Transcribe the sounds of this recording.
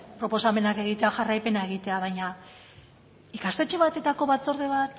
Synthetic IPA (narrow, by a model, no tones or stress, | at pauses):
pɾo̞po̞same̞nake̞ɣ̞it̪eaxarajpe̞naeɣ̞it̪e̞aβ̞ajɲa | ikast̪et͡ʃe̞βat̪e̞t̪ako̞βat͡so̞ɾðe̞βat̪